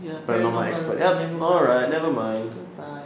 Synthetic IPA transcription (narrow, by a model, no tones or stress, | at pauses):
b̥ʌɾnɔt̚maɪɛ̰kspə̰˞tɛpɔlˠɹaɪt̚ⁿnɛvəmãɪ̃n